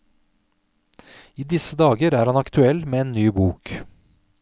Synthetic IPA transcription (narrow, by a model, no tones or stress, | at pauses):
iːd̪ɪsəd̪ɑːɡəɾæːɾhɑnɑkt̪ʰʉɛlmeːeːnːyːbuːk